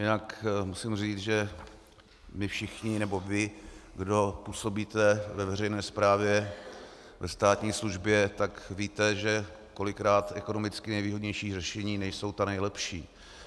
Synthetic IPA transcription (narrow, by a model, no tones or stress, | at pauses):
jɪnakmusɪmriːt͡sʒɛ | mɪfʃɪxɲɪnɛbo̞vɪɡdo̞puːso̞biːt̪ɛvɛvɛrɛjnɛːspɾaːvjɛ | vɛst̪aːt̪ɲiːsluʒbjɛt̪akviːt̪ɛʒɛ | ko̞lɪkɾaːt̪ʔɛko̞nomɪt͡skɪnɛjviːɦodɲɛjʃiːrɛʃɛɲiːnɛʃso̞wt̪anɛjlɛpʃiː